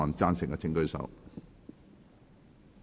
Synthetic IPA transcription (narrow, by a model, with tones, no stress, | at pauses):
ɔː˨˩nt͡saː˧˥nsɪ˨ŋkɐ˧t͡sʰɪ˨˥ŋkɵ˥˧ɥsɐ̰˨˥w